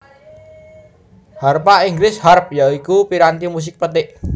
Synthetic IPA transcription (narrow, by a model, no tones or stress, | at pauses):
harpaʔiŋɡlɪsharp̚jaikupiɾant̪imus̬ɪk̚pət̪ɪʔ